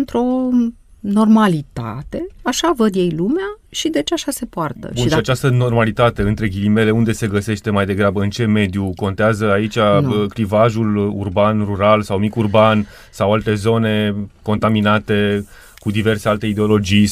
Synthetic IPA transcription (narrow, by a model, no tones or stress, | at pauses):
ɨnt̪ɾo̞ | no̞rmalit̪a̰t̪e̞aʃavəd̪je̞jlumeaʃid̪e̞t͡ʃeaʃase̞poart̪ə̰buniʃiat͡ʃast̪əno̞rmalit̪at̪e̞ɨnt̪ɾe̞ɡʲilime̞le̞und̪e̞se̞ɡəse̞ʃt̪e̞majd̪e̞ɡɾabəɨnt͡ʃe̞me̞d̪juko̞nt̪eazəait͡ʃʲaklivaʒulṵrbanruɾalsawmikurban | sawalt̪e̞zo̞ne̞ko̞nt̪aminat̪e̞ | kud̪ive̞rse̞alt̪e̞id̪eo̞lo̞d͡ʒi